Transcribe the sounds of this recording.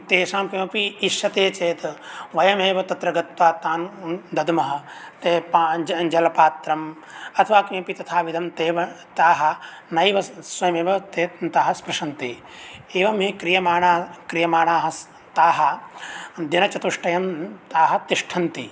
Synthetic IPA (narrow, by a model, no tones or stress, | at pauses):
t̪eːʃaːmpimɐpiːʃjɐt̪eːt͡ʃeːt̪ɐʋɐjɐmeːʋɐt̪ɐt̪ɾɐɡɐt̪ʋaːt̪aːnd̪ɐd̪mɐɦɐ̆t̪eːpad͡ʒɐlɐpaːt̪ɾɐm | ɐt̪ʰɐʋaːkĩːpit̪ɐt̪ʰaːʋid̪ʱɐmt̪eːʋɐt̪aːɦɐ̆nɐjʋɐsʋɐjɐmeːʋɐt̪eːt̪aːɦɐspɾɐʃɐnt̪i | eːʋɐmɦekɾijɐmaːɳaːkɾijɐmaːɳaːɦɐs | t̪aːɦɐ | d̪inɐt͡ʃɐt̪uʂʈɐjɐmt̪aːɦɐt̪iʂʈʰɐnt̪ḭ